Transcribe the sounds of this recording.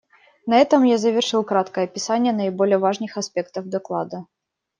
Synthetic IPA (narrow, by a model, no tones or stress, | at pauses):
nɐɛt̪əmjazəvʲɪrʂɨlˠkɾat̪kəjəɐpʲɪsanʲɪjənəɪbolʲɪjəvaʐnɨxɐspʲekt̪əfd̪ɐklˠa̰d̪ə